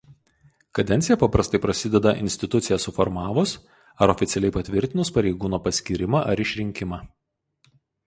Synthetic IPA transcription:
kɐd̪ʲɛnʲt̪ʲɪjɛpɐpɾɐst̪ɐɪpɾɐsʲɪd̪ʲɛd̪ɐʔɪ̰nʲsʲt̪ʲɪt̪ʊt̪sʲɪjɛsʊfɔɾmɑːʋʊs | ɐɾɔfʲɪt̪sʲɛlʲɛɪpɐt̪ʲʋʲɪɾʲt̪ʲɪnʊspɐɾʲɛɪɡuːnoːpɐsʲkʲiːɾʲɪmɑʔɐɾɪʃʲɾʲɪŋʲkʲɪmɑː

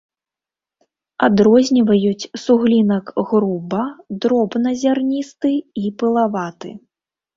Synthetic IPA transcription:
ad̪ɾɔzʲnʲivɐjut͡sʲsuɣlʲinɐkɣɾubɐd̪ɾɔbnɐzʲarnʲist̪ɨipɨlˠavat̪ɨ̰

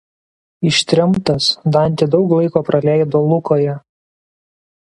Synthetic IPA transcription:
ɪʃʲt̪ʲɾʲɛmt̪ɐsd̪ɐnʲˑt̪ʲɪd̪ɒʊklˠɐɪkoːpɾɐlʲɛɪd̪olˠʊkoːjɛ

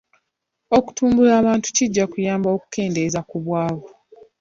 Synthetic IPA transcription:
o̞ku̥tuːmbulaːβaːntu̥ciɟːakujaːmbao̞ku̥ke̞ːnde̞zakuβwaːβo

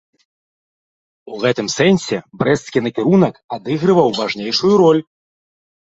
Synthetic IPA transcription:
uɣɛt̪ɨmsɛnsʲɛbɾɛskʲinɐkʲiɾunɐkad̪ɨɣɾɨvɐwvaʐnʲejʂujuɾɔlʲ

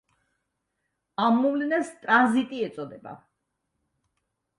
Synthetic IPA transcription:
amːɔvlɛnɛst̪ʼɾanzit̪ʼiɛt̪sʼɔd̪ɛba̰

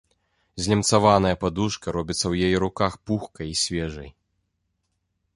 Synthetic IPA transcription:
zʲlʲɛmt̪savanɐjɐpad̪uʂkɐɾɔbʲit̪sːɐwjajiɾukaxpuxkɐjisʲvʲɛʐɐ̰j

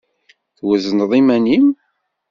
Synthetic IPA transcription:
θwəzənðˤimænim

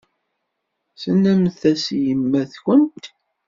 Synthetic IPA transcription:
sənːæmθæsjəmːæθçənt̪

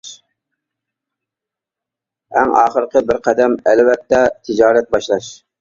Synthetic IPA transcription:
æ̰ŋɑːχəɾqʰəbɪɾqʰæd̪ɛmɛlwɛt̪ʰːɛt̪ʰɪd͡ʒɑːɾɛt̪̚bɑʃlˠɑʃ

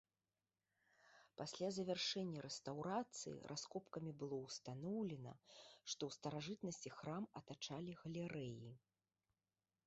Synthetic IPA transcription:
pasʲlʲazɐvʲɛrʂɛnʲːɐɾɛst̪awɾat̪sɨ̰jḭɾʔaskɔpkɐmʲibɨlˠɔwst̪anɔwlʲɛnɐ̰ʂt̪ɔwst̪ɐɾaʐɨt̪nɐsʲt͡sʲixɾamɐt̪at͡ʂalʲiɣɐlʲɛɾɛji

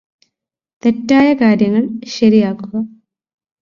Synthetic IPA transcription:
t̪e̞tːaːjɐkaːɾjɐŋːɐɭɕɐɾijaːkːuɣɐ

